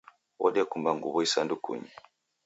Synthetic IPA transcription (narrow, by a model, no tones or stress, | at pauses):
wɔ̰ɗiakumbaŋɡṵβɔisandukṵɲi